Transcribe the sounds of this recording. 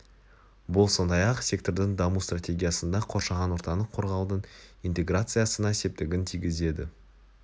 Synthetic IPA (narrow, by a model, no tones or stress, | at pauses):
bʊlˠso̞nd̪ɑjɑqsʲe̞k̚t̪o̞rd̪ɪŋd̪ɑmust̪rat̪ʲe̞ɡʲijasənd̪ɑqʰo̞ɾʃɑʁɑnwo̞ɾt̪ɑnəqʰo̞ɾʁɑwd̪əɴijnt̪e̞ɡrat̪sɨjasənɑese̞p̚t̪ɪɡʲɪnt̪ʰijɡʲɪze̞d̪ɪ̰